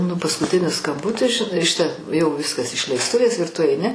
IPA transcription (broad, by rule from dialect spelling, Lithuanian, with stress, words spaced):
nʊ pɐskʊˈtʲɪnʲɪs skɐmˈbʊtʲɪs ʒʲɪˈnɐɪ ˈʃʲɪtɐ jɛʊ ˈʋʲɪskɐs ɪʃʲlʲɛɪsˈtʊʋʲeːs ɪr tʊ ɐɪˈnʲɪ